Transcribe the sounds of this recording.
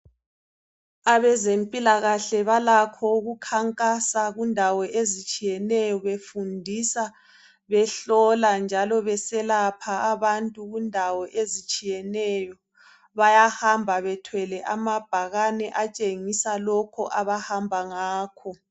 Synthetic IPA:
aβɛzempʼilaɣaɬɛβalakʰɔuɣukʰaŋkʼasaɣundʱawɔʔezit͡ʃʼijɛnɛjɔβefundʱisa | βɛɬɔland͡ʒʱalɔβɛsɛlapʰaːβantʼuɣundʱawɔʔezit͡ʃʼijɛnɛjɔ | βajahambʱaβɛtʰwɛlɛʔamab̥ʱaɣanɛʔat͡ʃʼeŋisalɔkʰɔ̰ʔaβahambʱaŋaːkʰɔ

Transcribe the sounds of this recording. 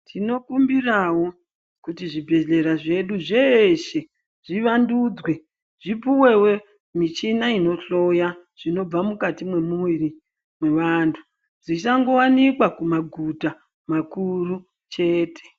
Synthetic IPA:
tʰino̞kumbirawo̞ | kutiʐibʱe̞ɮe̞ɾaʐe̞ɗuʐeʃe̞ | ʐ̥iʋandud͡zwe̞ | ʐ̥ipuwe̞we̞ | mit͡ʃinaino̞ɬo̞ja | ʐ̥ino̞b͡vamukatimwe̞muwiri | mwe̞ʋantʰu̥ | ʐisaŋɡo̞wanikwakumaɡʱuta | makuru | t͡ʃe̞ːtʰe̥

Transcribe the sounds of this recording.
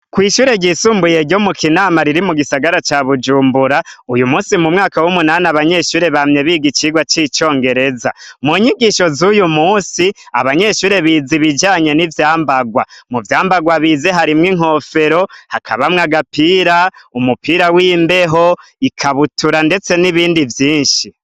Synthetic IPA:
kwiːʃuːɾe̞ɟiːsuːmbuje̞ɾɟo̞mukinaːmaɾiɾimuɡisaɡaɾat͡ʃaβud͡ʒuːmbuɾaujumuːsimumŋaːkawumunaːnaβaɲe̞ʃuːɾe̞βamɲe̞βiɡit͡ʃiɡwat͡ʃiːt͡ʃo̞ːŋɡe̞ɾe̞za̰muɲiɡiːʃo̞zujumuːsi | a̰βaɲe̞ʃuːɾe̞βiːziβid͡ʒaːɲe̞nivjaːmbaɡwamuvjaːmbaɡwaβize̞ɦaɾimŋiŋ̥o̞ːfe̞ɾo̞hakʰa̰βamŋaɡapiːɾaumupiːɾawiːmbe̞ɦo̞ikʰaβutuɾande̞t͡se̞niβiːndivjiːnʃi

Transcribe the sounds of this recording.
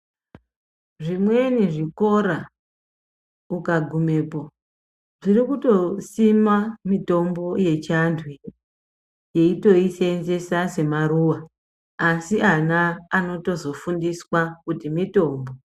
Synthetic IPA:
ʐimwe̞niʐiko̞ɾa | ukaɡʱume̞ːpo | ʐirikuto̞simamito̞mbo̞je̞t͡ʃandʰʱwi | je̞ito̞isenze̞sase̞maɾuwaː | siʔanaːno̞to̞zo̞fundiswakutimito̞ːmbo̞

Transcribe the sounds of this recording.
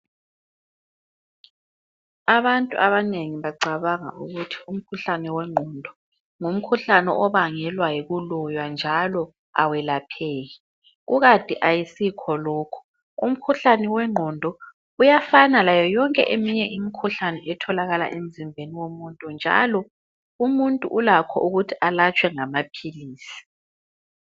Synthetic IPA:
aβantʼṵʔaβaneŋiβaɡ͡ǀʱaβaŋa̰ʔuɣutʰi̥um̩kʰuɬanɛwɛŋ͡ǃʱɔndʱɔ | ŋum̩kʰuɬanɛʔɔβaŋɛlwajiɣulɔjwand͡ʒʱalɔ | a̰wɛlapʰeːji | ɣuɣatʼiʔajisikʰɔlɔːkʰɔ̥ | um̩kʰuɬanɛwɛŋ͡ǃʱɔndʱɔ | ujafanalajɔjɔŋkʼɛʔemiɲɛʔimikʰuɬanɛʔɛtʰɔlaɣala̰ʔem̩zʱimbʱeniwomuntʼund͡ʒʱa̰lɔ | umuntʼṵʔulakʰɔ̰ʔuɣutʰialat͡ʃʼwɛŋamapʰiliːsi̥

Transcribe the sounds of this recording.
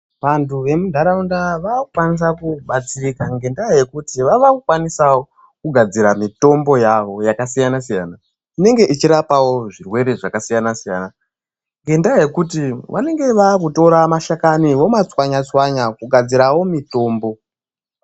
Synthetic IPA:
ʋantʰuʋe̞mudʱaɾaundaʋakukwanis̬akuɓat͡sirikaŋɡe̞ndaje̞kutiʋaʋakukwanisawo | kuɡʱad͡ziɾamito̞mbo̞jaʋo̞jakasijanasija̰ːna | ine̞ŋɡe̞ʔit͡ʃiɾapawo̞ʐirwe̞ɾe̞ʐakasijanasija̰ːna | ŋɡe̞ndaje̞kut̬iʋa̰ne̞ŋɡe̞ʋaːkuto̞ɾamaʃakaniwo̞mat͡swaɲat͡swaɲakuɡʱad͡ziɾawo̞mito̞ːmbo̞

